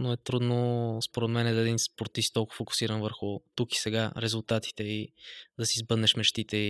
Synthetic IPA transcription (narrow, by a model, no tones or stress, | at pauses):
noɛt̪ɾud̪nospoɾɛd̪mɛnɛd̪əɛd̪inspoɾt̪ist̪t̪olˠkʊvfokʊ̥siɾɐnvəɾxʊt̪uki̥sɛɡaɾɛzulˠt̪at̪i̥t̪ɛid̪ɐsiːzbɤd̪nɛʃmɛʃt̪it̪ɛi